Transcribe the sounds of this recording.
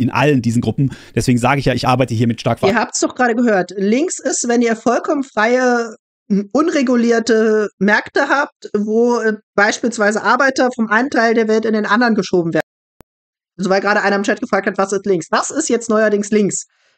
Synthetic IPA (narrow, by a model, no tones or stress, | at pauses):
ʔɪnʔa̰ləndiːzn̩ɡʁʊpm̩d̥ɛsv̥eːɡŋ̩zaːɡəɪçjaːɪçʔa̰ɐbaɪtəhiːɐmɪtʃtaɐkfiɐhaːp̚tsd̥ɔχɡ̥ʁaːɾəɡəɦøːɐtlɪŋksɪstv̥ɛniːɐfɔlkʰɔmənfʁ̥aɪə | ʔʊnʁeɡuliːɐtəmɛɐktəɦaːp̚tvoːb̥aɪʃpiːlsv̥aɪzəʔaɐbaɪtɐfɔmʔaɪnəntʰaɪldeːɐvɛltɪndeːnʔandɐʁənɡəʃoːbm̩veːɐdn̩ | ʔalzovaɪɡʁaːɾəʔaɪnɐɪmt͡ʃɛt̚ɡ̥əfʁ̥aːk̚thatv̥asɪstlɪŋksv̥asɪstjɛt͡stnɔʏɐdɪŋslɪŋks